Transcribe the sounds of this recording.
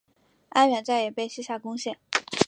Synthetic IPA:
a˥nɥɛ˧˥nt͡sa˥˩ɪjɛ˨˩pe˥˧ɪɕi˥ɕja˥˩kʊ˥ŋɕjɛ˥˩n

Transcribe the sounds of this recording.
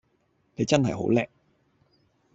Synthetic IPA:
ne˨˧jt͡sɐ˥nhɐ˨jɦo̰˨˥wlɛː˧k̚

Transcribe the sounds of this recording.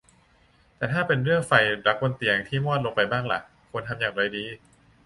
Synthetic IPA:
t̪ɛː˨˩t̪ʰaː˥˩pe˧nɾɯ˥˩əŋfa˧jɾa˨˦˥k̚ko˧nt̪i˨˩əŋt̪ʰiː˥˩mɔː˥˩t̪̚lo˧ŋpa˧jbaː˥˩ŋla̰˧˩ʔ | kʰo˧nt̪ʰa˧mjaː˨˩ŋɾa˧jdiː˧

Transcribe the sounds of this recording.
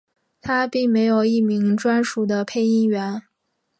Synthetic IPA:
t̪ʰa˥pi˥˩ŋme˧˥ɪjo˨˩ʊi˥˩mi˧˥ŋʈ͡ʂwa˥nʂu˨˩d̪ə˦pʰe˥˧ɪi˥ŋɥɛ˧˥n

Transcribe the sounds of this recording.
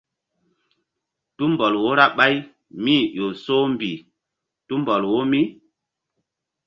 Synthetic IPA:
tu˦mbɔ˨lwo˦ɾa˦ɓa˦j | miː˦˨ʔo˨so˦m˦bi˨ | tu˦mbɔ˨lwo˦mi˦

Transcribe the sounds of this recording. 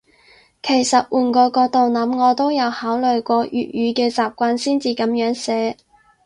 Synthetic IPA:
kʰe˨˩jsɐ˨t̚wuː˨˩nkɔː˧kɔː˧t̪o˨wnɐ˨˥mŋɔː˨˧t̪o˥wjɐ˨˧whaː˨˥wlɵ˨ɥkʷɔː˧jy̰ː˨t̚jyː˨˧kɛː˧t͡saː˨p̚kʷaː˧nsiː˥nt͡siː˨˧kɐ˨˥mjœː˨˥ŋsɛː˨˥

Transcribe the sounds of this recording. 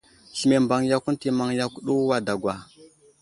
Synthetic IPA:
ɬi˨me˨mba˨ŋja˦ku˦n˦ti˨ma˨ŋja˦ku˦ɗu˦wa˦da˨ɡʷwa˨

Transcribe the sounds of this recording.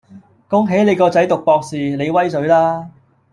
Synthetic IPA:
kʊ˥ŋɦe˨˥jle˨˧jkɔː˧t͡sɐ˨˥jt̪ʊ˨k̚pɔː˧k̚siː˨le˨˧jwɐ˥jsɵ˨˥ɥlaː˥

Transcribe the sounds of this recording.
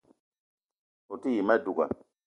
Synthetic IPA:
o˨ti˦ji˨mɛ˦du˨ɡa̰˨

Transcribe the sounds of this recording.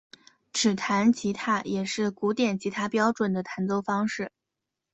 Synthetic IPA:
ʈ͡ʂɻ̩˨˩t̪ʰa˧˥nt͡ɕʰi˧˥t̪ʰa˥˩jɛ˨˩ʂɻ̩˥˩ku˧˥t̪jɛ˨˩nt͡ɕʰi˧˥t̪ʰa˥pjɑ˥ʊʈ͡ʂwə˨˩nd̪ə˦t̪ʰa˧˥nt͡s̪o˥˩ʊfɑ˥ŋʂɻ̩˥˩

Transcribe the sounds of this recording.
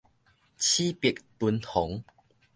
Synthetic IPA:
t͡ɕʰi˦pi˨˩k̚t̪u˧nt̪ʰɔ˨˩˦ŋ

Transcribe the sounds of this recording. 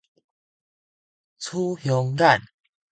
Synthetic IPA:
t͡sʰu˦hjɔ˨˧˦ŋɡa˥˨n

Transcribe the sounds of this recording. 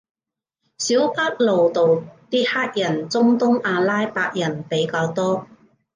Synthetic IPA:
siː˨˥wpa˥k̚lo˨wt̪o˨wt̪iː˥t̚haː˥k̚jɐ˨˩nt͡sʊ˥ŋt̪ʊ˥ŋaː˧laː˥jpaː˧k̚jɐ˨˩npe˨˥jkaː˧wt̪ɔː˥

